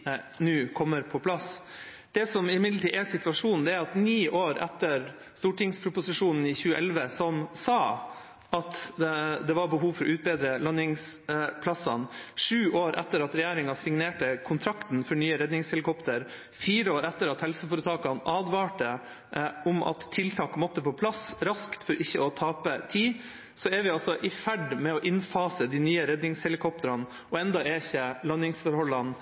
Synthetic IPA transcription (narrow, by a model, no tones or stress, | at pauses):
nʉːkʰɔmːəɾpʰɔpʰlɑs | d̪̥ɛsɔmɪmɪd̪ləʈiːʔɛsɪt̪ʋɑʂuːnn̩d̪ɛæɾɑt̪niːʔoːɾɛt̪ːəɾ | st̪uːʈɪŋspʰɾʊpʊsɪʂuːnn̩ɪçʉːəʔɛlʋəsɔmsɑː | ɑt̪d̪ɛʋɑɾbəɦuːʋfɔɾɔ̰ʔʉːt̪̚beːd̪ɾəlɑnɪŋspʰlɑsɑ̰nʂʉːʔoːɾʔɛ̰t̪ːəɾɑt̪ɾɛjæːɾɪŋɑsɪŋneːʈəkʰʊnt̪ʰɾɑkt̪nfɔɳyːəɾɛd̪nɪŋshɛlɪkʰɔpt̪əɾ | fiːɾəoːɾɛt̪ːəɾɑt̪hɛlsəfɔɾət̪ʰɑːkɑnʔɑːd̪ʋɑːʈə | ʊmʔɑ̰t̪ʰːɪlt̪ʰɑːkmɔt̪ːəpʰɔpʰlɑsɾɑskt̪fɔɾʔɪçːəɔt̪ʰɑːpət̪ʰiː | sɔɛɾʋɪɑlsɔʔɪfæɖmɛɔʔɪnfɑːsəd̪inyːəɾɛd̪nɪŋshɛlɪkʰɔpt̪əɾɑn | ɔɛnd̪ɑɛɪçːəlɑnɪŋsfɔɾhɔlːɑn